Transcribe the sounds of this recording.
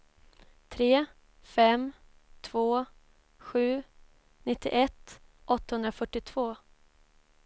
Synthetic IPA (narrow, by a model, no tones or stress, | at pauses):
t̪ʰɾeː | fɛm | t̪ʰv̥oː | ɧʉ̟ː | nɪt̪ːɪ̰ʔɛt̪ːʔɔt̪ːahɵnd̪ɾafœʈːɪt̪ʰv̥oː